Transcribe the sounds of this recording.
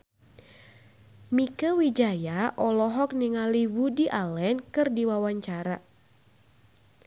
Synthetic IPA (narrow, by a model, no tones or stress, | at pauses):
mikəwid͡ʒajaʔɔlɔɦɔk̚niŋaliwudiʔalɛnkɨrdiwawaɲt͡ʃaɾa